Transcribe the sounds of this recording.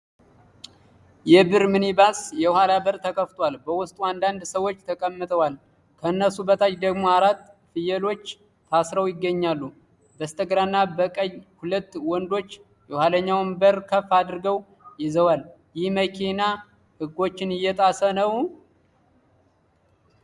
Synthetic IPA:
jɛbɨɾmɨnibasjɛwhalabəɾt̪ʰəkʰʼəft̪ʼwalbəwʊst̪ʼuand̪and̪səwːo̞t͡ʃːt̪ʰəkʼəmːɨt̪ʰʼəwal | kʰəɨnːəsubət̪ʰat͡ʃd̪əɡmo̞aɾat̪ | fɨjɛlo̞t͡ʃː | t̪ʰasɾəwjɪɡːəɲːalːu | bəst̪ʼəɡɾanːabəkʼəjhulət̪ːwɔnd̪o̞t͡ʃː | jɛwhaləɲːawnbəɾkʰəfːad̪ɨɾɡəw | jɪzəwal | jɪhməkʰina | hɨɡːo̞t͡ʃːɪnɪjːɛt̪ʼasənəw

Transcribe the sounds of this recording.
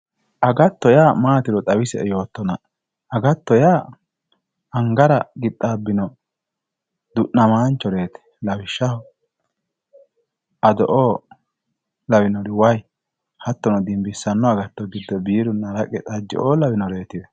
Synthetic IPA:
ʔɐɡɐt̪ːɔjaːmaːt̪ɪɾɔt̪ʼɐwɪsɛɛjo̞ːt̪ːɔnɐ | ɐɡɐt̪ːɔjaː | ɐŋɡɐɾɐɡɪt̪ʼːaːbːɪnɔ | d̪ʊʔnːɐmaːnt͡ʃːɔɾeːt̪ɛ̥lɐwɪʃːɐhɔ | ʔɐd̪ɔʔoː | lɐwɪnɔɾɪwɐj | hɐt̪ːɔnɔd̪ɪmbɪsːɐnːɔɐɡɐt̪ːɔɡɪd̪ːɔbiːɾʊnːɐɾɐkʼɛt̪ʼɐd͡ʒːɪ̰ʔoːlɐwɪnɔɾe̞ːt̪ɪd̪ɛ

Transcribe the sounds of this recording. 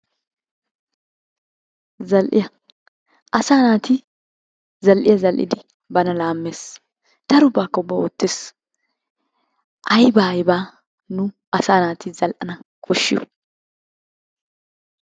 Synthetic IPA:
zɐlʔɪ̰jɐ | ʔɐsaːnaːt̪i | zɐlʔɪjɐzɐlʔɪ̰d̪ɪ | bɐnɐlaːmːeːs | d̪̥ɐɾʊbaːkːɐʊbːɐɔt̪ːɪs | ʔɐjbaːjɪbaː | nʊ | ɐsaːnaːt̪ɪzɐlʔɐnɐkʰɔʃːɪ̰ʊ̥̰

